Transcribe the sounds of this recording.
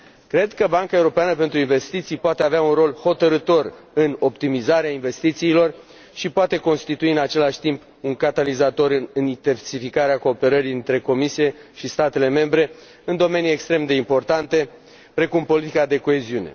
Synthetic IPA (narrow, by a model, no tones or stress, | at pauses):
kɾe̞d̪kəbaŋkaeuɾo̞peanəpe̞nt̪ɾuinve̞st̪it̪sijpoat̪eaveaunro̞lho̞t̪əɾɨt̪o̞rɨno̞pt̪imizaɾeainve̞st̪it̪siːlo̞r | ʃipoat̪e̞ko̞nst̪it̪uiɨnat͡ʃe̞laʃt̪imp | uŋkat̪alizat̪o̞ɾɨnint̪ensifikaɾeako̞ːpe̞ɾəɾiɨnt̪ɾe̞ko̞misie̞ʃist̪at̪e̞le̞me̞mbɾe̞ | ɨnd̪o̞me̞nije̞kst̪ɾe̞md̪e̞impo̞rt̪ant̪e̞ | pɾe̞kumpo̞lit̪ikad̪e̞ko̞e̞ziune̞̰